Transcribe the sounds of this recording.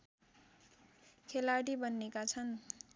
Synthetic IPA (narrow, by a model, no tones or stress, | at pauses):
kʰelaʈibʌnːekat͡sʰʌn